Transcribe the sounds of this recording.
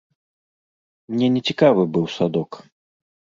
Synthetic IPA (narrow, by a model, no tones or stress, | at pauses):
mnʲɛnʲɛt͡sʲikavɨbɨwsad̪ɔk